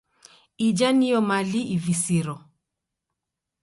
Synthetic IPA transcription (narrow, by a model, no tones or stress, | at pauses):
id͡ʒanijɔmaliʔivisiɾɔ